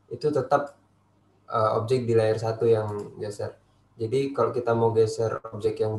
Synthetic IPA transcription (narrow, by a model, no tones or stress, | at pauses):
ʔit̪ut̪ət̪ap̚ | ʔəo̰b̚d͡ʒɛk̚dilaɪrsat̪ujaŋɡɛsər | d͡ʒadikalokit̪amowɡɛsərob̚d͡ʒɛkjaŋ